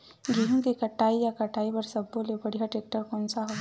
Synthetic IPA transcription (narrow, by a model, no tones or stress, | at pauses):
ɡʱiɦũkikəʈaijakəʈaibəɾsəbːolebəɽ̤iɦaʈek̚ʈəɾkonsaɦo